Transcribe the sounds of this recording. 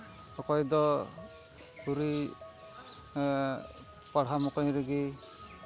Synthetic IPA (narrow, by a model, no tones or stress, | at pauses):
ɔkɔjd̪ɔ | puɾi | paɽ̤amɔkɔjɾiɡi